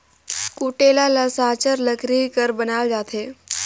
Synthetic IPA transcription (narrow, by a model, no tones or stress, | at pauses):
kuʈelalasãt͡ɕəɾləkɾikəɾbənald͡zat̪ʰe